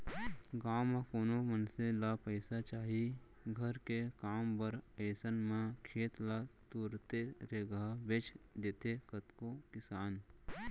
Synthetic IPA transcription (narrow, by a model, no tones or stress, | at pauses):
ɡaːmãkoːnomənselapəːsat͡ʃaːɦi | ɡʱəɾkekaːmbəɾəːsənmẽkʰeːt̪lat̪uːɾt̪eɾeɡabeːt͡ʃd̪eːt̪ekət̪kokɪsaːn